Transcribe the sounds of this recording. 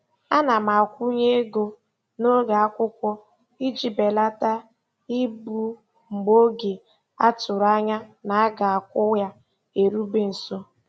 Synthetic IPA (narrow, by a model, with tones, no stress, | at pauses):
a˦na˨ma˨a˨kʷu˦ɲe˦ɡo˨ | no˦ɡa˨a˦kʷʊ˦kʷɔ˦ | i˦d͡ʒi˨be˨la˦ta˦ | i˦bu˦ | ŋ͡m̩˨ɡ͡bo˦ɡe˨ | a˦tʊ˨ɾa˦ɲa˦na˨a˦ɡa˨a˨kʷʊ˦ja˦ | e˨ɾu˦be˨n̩˨so˦